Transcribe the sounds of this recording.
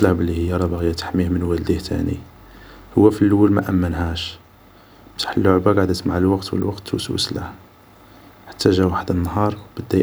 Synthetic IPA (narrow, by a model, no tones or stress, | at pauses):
læhbəlːihəjːæɾˤɑbɑɣjæt̪ħmihmənwæld̪iht̪ʰæ̰nḭ | hʊwːæfilːəwːəlmæ̰ʔæmːənhæʃ | bt̪ḁħəlːoʕbaɡaʕd̪ət̪maʕəlwɑqt̪wə̰lwɑqt̪ːwswə̰slæh | ħḁt̪ːæʒæwaħəd̪nːhɑɾˤwb̥əd̪ːæ